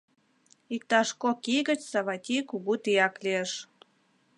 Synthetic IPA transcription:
ik̚t̪ɑʃkokiɣə̆t͡ɕsɑβɑt̪ʲikuɣut̪ijɑklieʃ

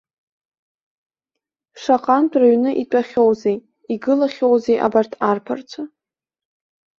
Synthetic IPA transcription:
ʂaqʼantʷʰraɥnɨʔitʷʼaχʲowzej | iɡɨlaχʲowzejʔa̰bartʰarpʰart͡sʷʰa

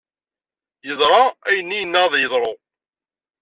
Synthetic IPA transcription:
jəðˤɾˤɑæjənːijənːæðˤjəðˤɾˤo

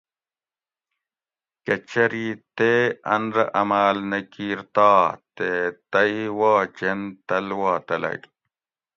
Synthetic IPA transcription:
kɐt͡ɕɐɾit̪eɐnɾɐʔɐmaːlnɐkiːɾt̪aːt̪et̪ɐiwaːt͡ɕent̪ɐlwaːt̪ɐlɐ̰ɡ

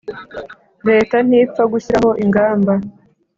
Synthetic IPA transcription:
ɾe̞ːtan̥iːp͡faɡuçiɾaho̞ʔiŋɡaːmba

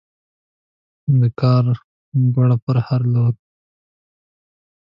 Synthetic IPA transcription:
d̪əkɑːɾ | baɽapəɾhaɾloːd̪̚

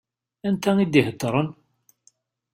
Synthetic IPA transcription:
ænt̪æŋid̪ihət̪ːɾˤən

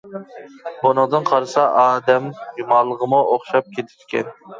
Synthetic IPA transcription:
bonɨŋd̪ɨnqʰɑɾɨsɑʔɑːd̪ɛmjumɑlˠːəʁəmʊʔoχʃɑp̚kʲʰet̪ʰɪ̥d̪kʲʰɛ̰n

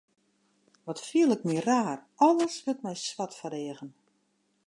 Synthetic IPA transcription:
ʋɔtfiəlˠɪkmiəraːr | ɔlˠəsʋətmɛjswatfəɾeːəɣən

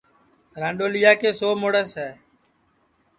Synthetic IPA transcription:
ɾãːɳɖoːlijaːkeːsoːmoːɽəsɦɛː

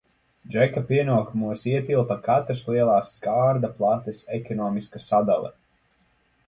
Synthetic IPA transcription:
d͡ʒɛkapiɛnuɔkumuɔsiɛt̪ilˠt̪akat̪ɾaslˠiɛlˠɑːsːkaːɾd̪aplˠat̪ɛsɛkɔnɔːmiskasad̪alˠɛ̰

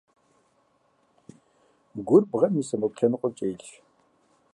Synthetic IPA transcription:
ɡʷʊrbʁɐmisɐmɐpʷɬʲɐnɨqʷʼɔt͡ʃʼeːɬ

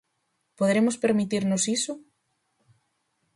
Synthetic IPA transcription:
poðɾemospeɾmit̪iɾnosisʊ

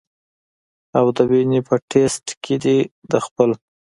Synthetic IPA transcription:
awd̪əbinipʰəʈʰesʈkʰed̪id̪əxpəl

